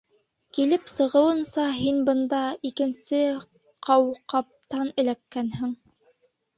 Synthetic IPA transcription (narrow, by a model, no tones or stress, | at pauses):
kilɘpsɤ̆ʁɤ̆wɤ̆nsɑɦinbɤ̆nd̪ɑikɘ̆nsɘ | qʰɑwqɑp̚t̪ɑnɘ̆lækːænhɘŋ